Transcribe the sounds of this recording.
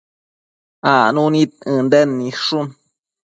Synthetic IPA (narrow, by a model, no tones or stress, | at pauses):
anũnĩt̪̚ɨ̃nd̪enːĩʂun